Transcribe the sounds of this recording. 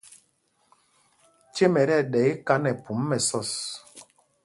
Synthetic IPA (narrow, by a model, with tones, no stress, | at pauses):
t͡ʃe˦mɛ˨ɾɛ˦˨ɗɛ˨˦i˦ka˦nɛ˨pu˨˦mː˦ɛ˨sɔ˦˨s